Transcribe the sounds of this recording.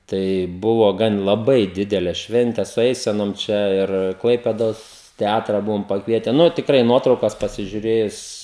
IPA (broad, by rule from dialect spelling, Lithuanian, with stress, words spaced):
tɐɪ ˈbʊʋoː ˈɡɐn lˠɐˈbɐɪ ˈdʲɪdʲɛlʲɛ ˈʃʲʋʲɛnʲtʲɛ sʊ ˈɛɪsʲɛnoːm ˈt͡ʃʲɛ ɪr ˈklˠɐɪpʲeːdoːs tʲɛˈɑːtrɐ ˈbʊʋoːm pɐkˈʋʲiɛtʲɛ ˈnʊ tʲɪkˈrɐɪ ˈnuɔtrɐʊkɐs pɐsʲɪʒʲʊˈrʲeːjʊs